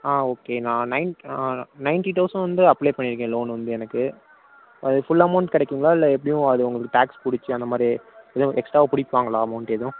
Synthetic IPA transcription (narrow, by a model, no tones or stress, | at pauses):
aːoːkeːnãːnɐɪnːnɐɪnʈit̪ɐʊsɐʋɐnd̪ɯɐpleːpɐɳːɪɾɯkːẽːloːnʋɐnd̪ɯɛnɐkːɯ | ʔɐðɯfʊlːɐmɐʊɳʈkɐɽɐɛkːɯŋɡɐɭaːɪlːɐɛpːɐɽɪjʊ̃ɐðɯʊŋɡɐɭɯkːɯʈaːkspʊɽɪt͡ʃːɯɐnd̪ɐmaːd̪ɾiɛðʊ̃ʔɛksʈɾaːʋpʊɽɪpːaːŋɡɐɭaːɐmɐʊɳʈɛðʊ̃